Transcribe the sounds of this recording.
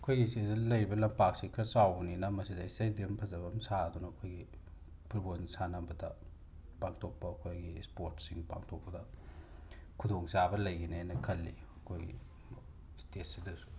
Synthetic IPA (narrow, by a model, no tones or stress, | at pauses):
ɐkʰojɡisezlɐjɾibɐlɐmpak̚sikʰɾɐsawninɐmɐsidɐisɐjdiɐmpʰɐzɐbɐmsaɐdunɐːkʰojɡi | pʰiɾbonisanɐmbɐdɐ | paŋtʰok̚pɐːkʰojɡispoɾtsiŋpa̰ŋtʰok̚pɐdɐ | kʰudoŋsabɐlɐjɡinenɐkʰɐlːi | ɐkʰojɡḭ | stet̚sidɐsu̥